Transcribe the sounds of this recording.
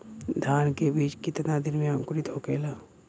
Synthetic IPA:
d̪ʱaːnkebiːt͡ʃkɪt̪nad̪ɪnmẽãkʊɾit̪ʰoːkeːlaː

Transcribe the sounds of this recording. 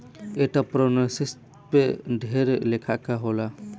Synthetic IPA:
ɛʈapɾɔnasis | pɛɖʱɛɾlɛkʰaʔkaɦɔla

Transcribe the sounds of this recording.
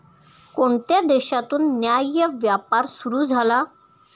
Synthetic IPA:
koɳt̪jad̪eɕat̪uːnːjajəʋjapaɾsuɾuːd͡zʱala

